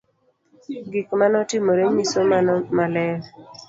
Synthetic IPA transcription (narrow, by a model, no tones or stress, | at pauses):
ɡikmanɔtɪmoɾeɲisomanmalɛl